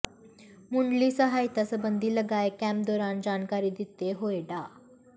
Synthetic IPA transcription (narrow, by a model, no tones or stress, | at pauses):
muɳɖliːsəɦajt̪əsəbənd̪ʱiːləɡajkæ̃mp̚d̪ɔɾand͡ʑankaɾiːd̪it̪eɦojɖa